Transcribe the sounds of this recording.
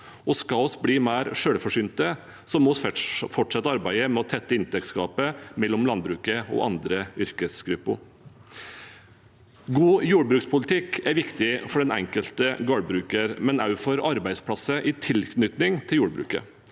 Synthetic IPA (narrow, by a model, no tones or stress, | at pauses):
ɔskɑɔsbliːmæːɾʂøːɽfɔʂyːnt̪ə | sɔmɔfɔʈʂɛt̪ːəɑɾbæɪəmɛɔt̪ʰɛt̪ːəɪnt̪ɛkskɑːpəmɛlːɔmlɑn̚bɾʉːkəɔ̰ʔɑ̰nd̪ɾəʏɾkəsɡɾʉpːʊ | ɡuːjuːɖbɾʉːkspʰʊlɪt̪ʰɪkæɾʋɪkt̪ɪfɔɖɛnɛ̰ŋkəlt̪əɡɑːɽbɾʉːkəɾmɛnɑ̰ʉfɔɾɑɾbæɪspʰɽɑsəʔɪt̪ʰɪlkʰnʏt̪nɪŋt̪ʰɪljuːɖbɾʉ̰ːkə̰